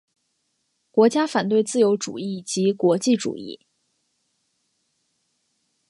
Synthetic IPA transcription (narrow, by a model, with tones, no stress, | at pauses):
kwɔ˧˥t͡ɕja˥fa˨˩nt̪we˥˧ɪt͡sɹ̩˥˩jo˧˥ʊʈ͡ʂṵ˨˩i˥˩t͡ɕi˧˥kwɔ˧˥t͡ɕi˥˩ʈ͡ʂṵ˨˩ḭ˥˩